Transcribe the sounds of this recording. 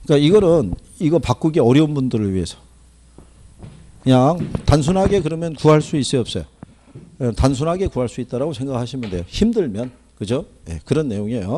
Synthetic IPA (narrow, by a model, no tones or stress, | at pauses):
k͈aiɡʌɾɯn | iɡʌpak͈uɡe̞ʌɾjʌunbundɯɾɯɭɥiɦe̞sʰʌ̥ | kɯɲaŋtans̬ʰunɦaɡe̞kɯɾʌmjʌnkuɦaɭs͈uis͈ɯʌp̚s͈ʌjo | tansʰunɦaɡe̞kuɦaɭs͈uit͈̚aɾaɡosʰe̞ŋɡakhaɕʰimjnde̞joçimdɯɭmjʌn | kɯd͡ʑojḛkɯɾʌnːe̞joŋejo